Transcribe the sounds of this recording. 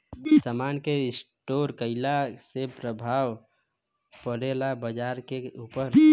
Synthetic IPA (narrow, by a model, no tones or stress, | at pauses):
səmankeɪsʈoɾkəɪlasepɾəbʱaw | pəɾelabəd͡ʒaɾkeupəɾ